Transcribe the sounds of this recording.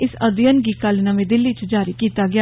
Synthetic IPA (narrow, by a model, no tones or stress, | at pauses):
ɪsəd̪jənɡiːkalnəmẽːd̪ɪlːiːt͡ʃd͡ʒaːɾiːkiːt̪aːɡɪaː